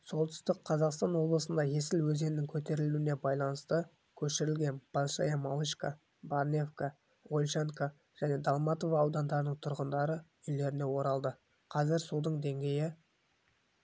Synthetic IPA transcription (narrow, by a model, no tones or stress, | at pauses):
so̞lˠt̪ʰʏ̥st̪ɪk̚qʰɑzɑqst̪ɑnwo̞blˠəsənd̪ɑje̞sɪlwɵze̞nɪnɪŋkʲʰɵt̪e̞ɾɪluwɪne̞bɑjlˠɑnəst̪ə | kʲʰɵʃɪɾɪlɡʲe̞nb̥ɑlˠʃɑ̰jamalˠiʃka | barnʲe̞fka | ʁolʲʃeŋka | ʒ̥æne̞d̪alˠmɑt̪o̞vaːwd̪ɑnd̪ɑɾənəɴt̪ʰʊɾʁənd̪ɑɾə | ʏjle̞ɾɪne̞wo̞ɾɑlˠd̪ə | qʰɑzɪɾsud̪əɴd̪e̞ŋɡʲe̞jɪ